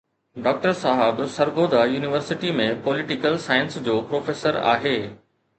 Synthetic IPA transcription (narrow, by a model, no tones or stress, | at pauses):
ɖɔːk̚ʈəɾsaːɦəbsɐɾɡoːd̪ʱajuːnɪʋəɾsɪʈimẽpɔːlɪʈɪkəlsaːɪənsd͡ʑoːpɾoːfeːsəɾa̰ːɦeː